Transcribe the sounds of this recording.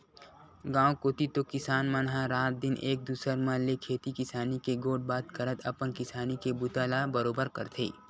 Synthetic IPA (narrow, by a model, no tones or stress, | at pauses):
ɡãːwkoːt̪it̪okɪsaːnmanɦãɾaːt̪̚d̪ɪnʔeːk̚d̪uːsəɾmãlekʰeːt̪ikɪsaːnikeɡoːʈ̚baːt̪kəɾət̪ʰɐpənkɪsaːnikebʊt̪aːlabəɾoːbəɾkɐɾt̪ʰḛː